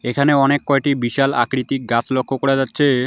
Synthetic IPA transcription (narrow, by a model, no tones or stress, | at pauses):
ekʰaneɔnekːɔeʈibiʃala̰kɽit̪ik̚ɡat͡ɕʰlokʰːokoɽed͡ʑatːɕʰe